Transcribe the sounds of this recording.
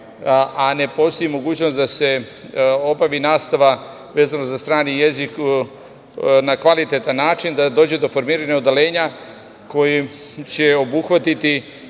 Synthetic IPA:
ane̞po̞st̪o̞jimo̞ɡuːt͡ɕnod̪ase̞ | o̞baʋinaːst̪aʋa | ʋeːzanozast̪ɾaːnije̞zik | nakʋalit̪et̪anːaːt͡ʃind̪ad̪o̞ːd͡ʑe̞d̪o̞fo̞ɾmiːɾaɲaod̪ale̞ːɲa | ko̞ji | t͡ɕe̞o̞buxʋat̪it̪i

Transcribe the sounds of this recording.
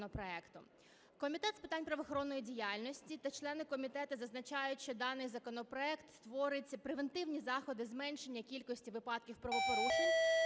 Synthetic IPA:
nɔpɾɔɛkt̪ʊ | kɔmʲit̪ɛt̪spɪt̪ɑnʲpɾɐʋɔxɔɾɔnːɔjidʲijɑlʲnɔsʲtʲit̪ɐt͡ʃlˠɛnɪkɔmʲit̪ɛt̪ʊzɐznɐt͡ʃɑjʊtʲʃt͡ʃɔd̪ɑnɪjzɐkɔnɔpɾɔɛkt̪st̪ʋɔɾɪtʲpɾeʋent̪ɪwnʲizɑxɔd̪ɪzmɛnʃe̞nʲːɐkʲilʲkɔsʲtʲiʋɪpɑd̪̚kʲiwpɾɔʋɔpɔɾuʒɪn

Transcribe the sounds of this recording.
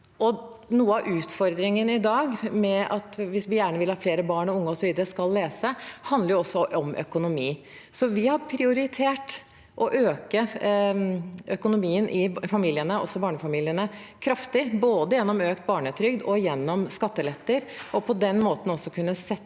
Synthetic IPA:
ɔnuːəɑʔʉːt̪fɔɾd̪ɾɪŋənɪd̪ɑːɡmɛɑt̪ʋɪsʋɪjæːɳəʋɪlhɑːfleːɾəbɑːɳɔʊŋːəɔsɔʋiːd̪əɾəskɑlːeːsəhɑnd̪əɾjʊɔsːɔʔɔmʔœ̰kʊnʊmiː | sɔʋɪhɑɾpʰɾɪʊɾɪt̪ʰeːʈ | ʔɔʔøːkə | ʔœkʊnʊmiːənʔɪfɑmiːlɪənəɔ̰sːɔbɑːɳəfɑmiːlɪənəkʰɾɑft̪ɪboːd̪əjɛnːɔmøːkt̪̚bɑːɳət̪ʰɾʏɡd̪ɔjɛnːɔmskɑt̪ːəlɛt̪ːəɾʔɔpʰɔd̪ɛnmoːt̪n̩ɔsːɔkʰʉnːəsɛ

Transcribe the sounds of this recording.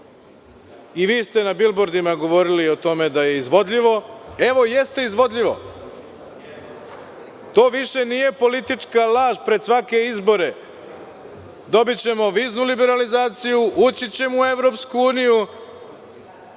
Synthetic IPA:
iʋiːst̪e̞nabilboɾd̪imaɡo̞ʋo̞ɾilio̞t̪o̞me̞d̪aje̞izʋo̞d̪ʎʲiʋo̞e̞ʋo̞je̞st̪e̞izʋo̞d̪lʎʲiʋo̞̰ | t̪o̞ːʋiʃe̞nije̞po̞lit̪it͡ʂkalaːʒpɾe̞d̪sʋake̞izbo̞ɾe̞ | d̪o̞bit͡ɕe̞mo̞ʋiːznulibe̞ɾalizaːt̪sijuʔut͡ɕit͡ɕe̞mue̞ʋɾo̞pskuuːniju

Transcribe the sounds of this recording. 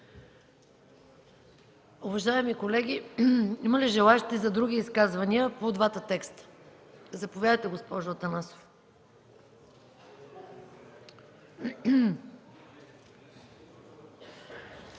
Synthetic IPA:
ʊvɐʒaɛmikolɛɡ̟ʲiiməliʒɛlˠaɛʃt̪ɛzɐd̪ɾuɡ̟ʲiːskazvɐniəpod̪vat̪ət̪ɛkst̪ə̥ | zɐpovjad̪əjt̪ɛɡospɔʒʊɐt̪ɐnaso̥f | m

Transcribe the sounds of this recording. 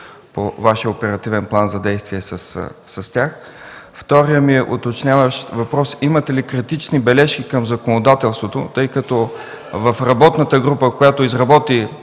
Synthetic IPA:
po̰vaʃjəopɛɾɐt̪ivɛnplˠanzɐd̪ɛjst̪viɛsəssɐst̪ʲax | ft̪ɔɾijəmiɛʔʊt̪ot͡ʃnʲavəʃvɐpɾɔsimət̪ɛlikɾit̪it͡ʃnibɛlɛʃk̟ikəmzɐkonod̪at̪ɛlˠst̪vot̪ot̪ɤjkɐt̪ɔ | vɐfɾɐbɔt̪nət̪əɡɾupəkojat̪oizɾɐbɔt̪i

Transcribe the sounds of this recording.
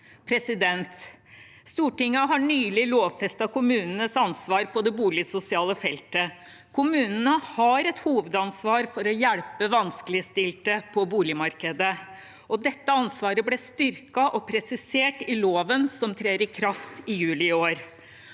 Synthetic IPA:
pʰɾɛsɪd̪ɛnt̪ | st̪uːʈɪŋːɑɦɑɳyːlɪloːʋfɛst̪ɑkʊmʉːnənəsɑnsʋɑːɾpɔd̪ɛbuːlɪsʊsɪɑːləfɛlt̪ə | kʰʊmʉːnənəhɑɾɛt̪huːʋəd̪ɑnsʋɑːɾfɔɾɔjæɽpəʋɑnskəlɪəst̪ɪlt̪əpʰɔbuːlɪmɑɾkəd̪ə | ʔɔd̪ɛt̪ːəɑnsʋɑːɾəblɛst̪ʏɾkɑʔɔpʰɾɛsɪseːʈɪloːʋənsɔmt̪ʰɾeːɾɪkʰɾɑft̪ɪjʉːlɪɪoːɾ

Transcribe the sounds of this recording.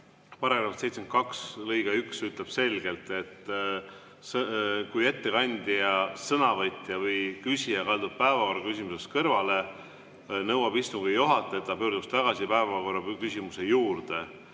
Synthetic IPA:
pɑɾɑɾɑvɑst̪sejt̪sment̪kɑkslɤjɡ̥ɑyksyt̪ˑleb̥se̞lɡ̥e̞lt̪ˑe̞t̪ːˑ | skujet̪ːe̞kɑnʲd̪̥ʲiɑsɤnɑvɤt̪ʲːˑjɑvɤjkysʲiɑkɑld̪ud̪̚pæevɑko̞rːɑkys̬ʲimuse̞st̪kɤrvɑle̞ | nɤwɑbist̪uŋɡujuɦɑt̪ˑːeːt̪ˑːɑpø̞ːɾd̪ust̪ɑɡ̥ɑsipæevɑko̞rɑkysʲimuse̞juːrd̪̥e̞

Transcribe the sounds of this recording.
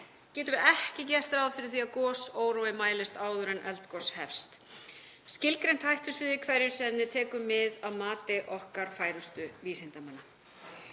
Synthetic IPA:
cɛːt̪ʏvɛhcɪcɛr̥t̪ɾaðfɪɾɪɾ̥θiaðkɔːsoːwɾɔwɪmaːjlɪst̪aːwðʏɾɛnʔɛ̰lt̪kɔshɛfst̪ | scɪlkɾejn̥t̪hajht̪ʏsvɪːðɪkʰvɛɾjʏsɛnːɪt̪ʰɛːkʏmːɪðaðmaːt̪ɪʔɔhkaɾ̥faːjɾʏst̪ʏviːsɪnt̪amanːa

